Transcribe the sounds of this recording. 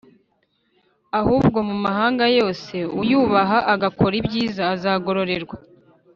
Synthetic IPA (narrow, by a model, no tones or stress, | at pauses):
ahuːbɡo̞mumaɦaːŋɡajo̞ːse̞ujuːβaɦaʔaɡako̞ɾibɟiːzaːzaːɡo̞ɾo̞ɾe̞ɾɡwa